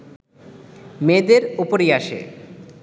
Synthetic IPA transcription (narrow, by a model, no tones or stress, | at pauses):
med̪eɾupoɾiaʃḛ